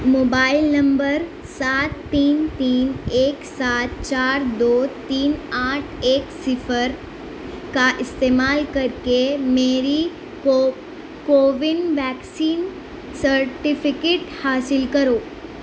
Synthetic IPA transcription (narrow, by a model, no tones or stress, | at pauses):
moːbaːɪlnɐ̃mbəɾ | saːt̪ːiːnt̪iːneːksaːt̪̚t͡ʃaːɾd̪oːt̪iːnaːʈʰeːksɪfʰəɾ | kaʔɪst̪eːmaːlkɐɾkemeːɾi | koːʋɪnʋɛːksiːn | səɾʈipʰɪkeːʈhaːsɪlkɐɾoː